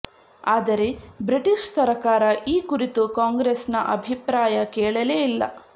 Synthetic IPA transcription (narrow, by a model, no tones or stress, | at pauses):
aːd̪ɐɾe̞bɾiʈiʃsɐɾkaːɾɐʔiːkuɾit̪ukaːŋɡɾesnɐʔɐbʱipɾaːjɐkɛːɭɐleːilːɐ̰